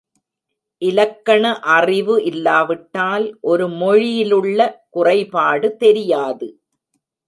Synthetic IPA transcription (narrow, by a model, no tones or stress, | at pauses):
ʔɪlɐkːɐɳɐʔɐrɪʋɯʔɪlːaːʋɪʈːaːlʔɔɾɯmɔɻɪjɪlɯɭːɐkʊrɐɪpaːɽɯt̪ɛɾɪjaːðɯ